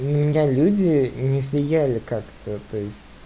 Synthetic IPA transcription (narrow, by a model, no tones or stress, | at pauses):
nəmʲɪnʲalʲudʲɪnʲɪvʲlʲɪjælʲɪkakt̪ət̪o̞ɪsʲtʲ